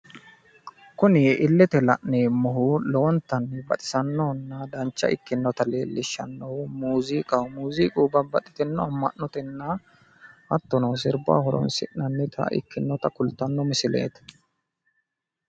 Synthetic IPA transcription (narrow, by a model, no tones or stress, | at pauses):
kʊnɪʔɪlːɛt̪ɛlɐ̰ʔneːmɔɦulɔɔnt̪ːɐnːɛbɐt̪ʼɪ̥sɐnːɔhɔnːɐd̪ɐnt͡ʃːɐ̰ʔɪ̰kːɪnːɔt̪ɐle̞̰ːlːɪʃːɐnːɔʊmuːziːkʼɐwmuːziːkʼuːbɐbɐt̪ʼɪ̥t̪ɛnːɔɐmːɐ̰ʔɔt̪ɛnːɐ | hɐt̪ːɔnɐwsɪɾba̰hɔɾɔ̰nsɪ̰ʔnɐnːɪt̪ʰɐ̰ʔɪ̰kːɪnːɔt̪ɐkʊlt̪ːɐnːɔmɪsɪlḛːt̪ɐ̥